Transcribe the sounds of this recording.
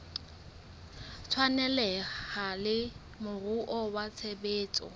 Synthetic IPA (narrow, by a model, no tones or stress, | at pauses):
t͡sʰwanɛlɛhalɪ | mʊruʔɔwat͡sʰebeːt͡sʼɔ̰